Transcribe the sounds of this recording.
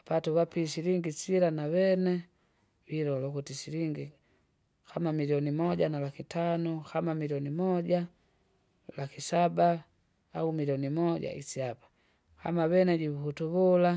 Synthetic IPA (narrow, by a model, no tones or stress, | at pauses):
patuβapisiliŋɡisiɾanaβɛnɛ | wiɾɔlɔkutisiliŋɡi | kamamiliɔnimɔɟanalakitanukamamiliɔnimɔɟa | lakisabaː | umiliɔnimɔɟa̰isiapḁ | ka̰maβɛnɛɟiβuhutuβula